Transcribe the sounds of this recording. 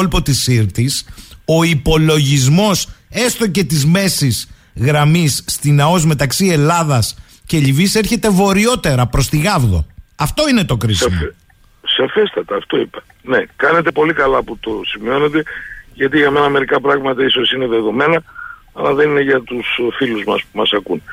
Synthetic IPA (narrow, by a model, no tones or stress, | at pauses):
lpo̞t̪isiɾt̪iso̞ipo̞lo̞ʝizmo̞se̞st̪o̞ce̞t̪izme̞siz | ɣɾɐmisːt̪inɐo̞zme̞t̪ɐksie̞lɐðɐs | ce̞ʎivise̞ɾçe̞t̪e̞vo̞ɾio̞t̪e̞ɾɐpɾo̞st̪iɣɐvðo̞̰ɐft̪o̞ine̞t̪o̞kɾizm | sɐfest̪ɐt̪ɐːft̪o̞ipɐ̥ | ne̞kɐne̞t̪e̞po̞likɐlɐput̪o̞simio̞ne̞t̪e̞ʝɐt̪̬iʝɐme̞nɐme̞ɾikɐpɾɐɣmɐt̪ɐiso̞sine̞ðe̞ðo̞me̞nɐ | ɐlɐðe̞nine̞ʝɐt̪usfiluzmɐspumɐsɐkun